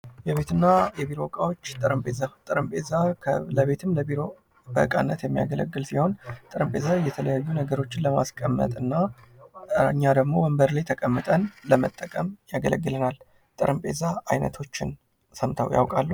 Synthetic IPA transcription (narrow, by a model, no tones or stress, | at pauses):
jɛβe̞t̪ɨnːajɛβiɾo̞kʼawo̞t͡ʃːt̪ʼɨɾɨmpʼezat̪ʼɨɾɨmpʼezaləβe̞t̪ʰɨmləbiɾo̞ | bə̰kʼa̰nːət̪jɛmːija̰ɡələ̰ɡːɨlsiho̞nt̪ʼɨɾɨmpʼe̞zajɛt̪ʰələjajːunəɡəɾo̞t͡ʃːɪnləma̰skʼəmːə̰t̪ʼɨnːa | ɨɲːad̪əɡmo̞wəmbəɾlajt̪ʰəkʼəmːɨt̪ʼənləmət̪ʼːəkʼəmjaɡələɡːɨlənal | t̪ʼɨɾʔɨmpʼe̞zaajnə̰t̪ʰo̞t͡ʃːɪ̰n | səmt̪ʰəwja̰wkʼalːu